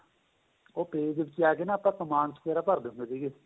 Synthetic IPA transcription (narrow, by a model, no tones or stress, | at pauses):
oːpeːd͡ʒbɪt͡ʃɪaːkeːnãːpãkəmãːnskeːɾaːpəɾd̪eːɦʊ̃nd̪aːsiːɡeː